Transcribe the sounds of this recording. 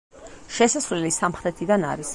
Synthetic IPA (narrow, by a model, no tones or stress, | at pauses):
ʃɛsasvlɛlisamχɾɛt̪ʰid̪ana̰ɾis